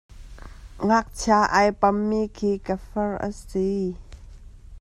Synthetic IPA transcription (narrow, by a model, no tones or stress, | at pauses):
ŋak̚t͡sʰaʔajpɐmːiːkʰiːkəfərʔə̰si